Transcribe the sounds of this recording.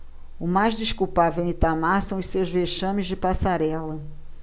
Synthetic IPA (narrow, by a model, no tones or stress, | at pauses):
ʊmajzdiʃkuwpavewĩt̪amasɐ̃w̃ʊssewzveʃɐ̃mɪzd͡ʒɪpasaɾɛlɐ